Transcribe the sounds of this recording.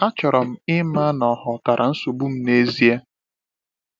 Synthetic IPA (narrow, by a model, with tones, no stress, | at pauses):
a˦t͡ʃɔ˨ɾɔ˨m̩˨ɪ˦ma˦nɔ˨ɦʊ˨ta˨ɾʔa˨n̩˦so˨bu˦m̩˦ne˦zi˦a˦